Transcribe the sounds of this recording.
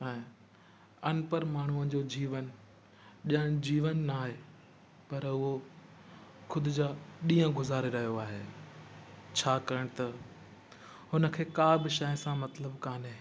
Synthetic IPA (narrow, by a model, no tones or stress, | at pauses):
ɛ̃ː | ɐnpəɾmaːɳ̤uəd͡ʑod͡ʑiːʋən | ɗə̃ɽ̃d͡ʑiːʋənːaːɦe | pɐɾʊɦo | xʊd̪ɪd͡ʑaɗĩːə̃ɡʊzaːɾeɾɐɦijoaːɦeː | t͡ɕʰaːkɐɾəɽ̃t̪ɐ | ɦʊnə̆kʰeːkaːbɪʃɐjɪsãmɐt̪ləbkaːnɦeː